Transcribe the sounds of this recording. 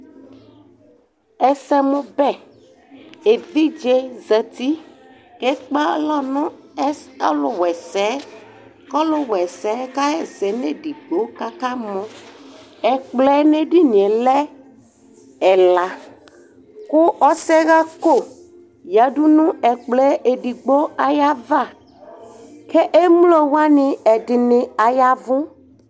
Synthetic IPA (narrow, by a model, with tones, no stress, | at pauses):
ɛ˨sɛ˦mũ˦bɛ˦ | e˨vi˦d͡ʒe˦zɛ˨t̪i˦ | ke˦k͡pa˦lɔ˦nɔ̃˦ɛ˦ɔ˦lʊ˨wɛ˨sɛ˦ | kɔ˦lʊ˦wɛ˨sɛ˨˦ka˦ɛ˦zɛ˨nẽ˦ɖi˨ɡ͡bo˨˦ka˦ka˦mɔ̃˦ | ɛ˨k͡plɛ˦ne˦ɖi˦ni˨ɛ˨lɛ˦ | ɛ˨la˨ | kʊ˦ʔɔ˦sɛ˦ɣa˦ko˦˨ | ja˨˦ɖu˦nũ˦ɛ˨k͡plɛ˦e˨ɖi˨ɡ͡bo˦a˨ja˦va˦ | kɛ˦ʔe˦m˦lo˦wa˦nɪ̃˨ɛ˨dɪ˨nɪ̃˨a˨ja˦vʊ̃˦